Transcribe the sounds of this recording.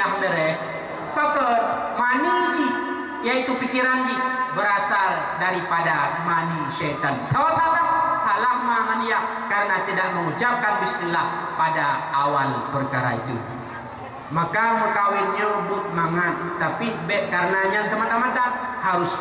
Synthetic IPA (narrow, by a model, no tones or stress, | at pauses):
ak̚dəɾɛ | pakə | manid͡ʒi | jait̪upikiɾand͡ʒibəɾasaldaɾipadamaniʃɛt̪ansawatalahalamːamanijaʔkaɾənat̪idaʔ̚məŋut͡ʃap̚kanbəst̪ilahpadaːwalpərkaɾa̰ḭt̪ṵ | makaməkawɪnɲabʊt̪̚maŋat̪ːapit̪̚bɛkːaɾənaɲansəmat̪amat̪ahaɾʊs